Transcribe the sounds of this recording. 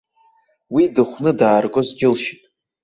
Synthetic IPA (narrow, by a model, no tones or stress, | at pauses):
widɨχʷnɨdaːrɡʷʼozd͡ʒɪlʃitʼ